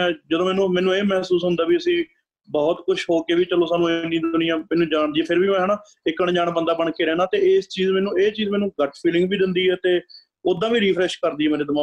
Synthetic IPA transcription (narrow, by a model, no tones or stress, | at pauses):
ɛ̃ːd͡ʒəd̪õːmɛːnũːmɛ̃ːnũːeːmɛːsuːsɦʊ̃nd̪aːʋiːəsĩː | bɔːt̪kʊʃɦoːkeːʋiːt͡ʃəloːsaːnũːɪnĩːd̪ʊnɪjãːmɛːnũːd͡ʒaːɳ̃d̪iːɛːpʰɪɾbiːmɛ̃ːɦɛːnaː | ɪkːəɳd͡ʒaːɳ̃bənd̪aːbəɽɳkeːɾɛːnaːt̪eːɪst͡ʃiːzmɛ̃ːnũːeːt͡ʃiːzmɛːnũːɡəʈʰpʰiːlɪ̃ŋɡʋiːd̪ɪnd̪iːɛːt̪eː | ʊd̪ãːʋiːɾiːpʰɾɛːʃkəɾd̪iːɛːmeːɾeːd̪əmaː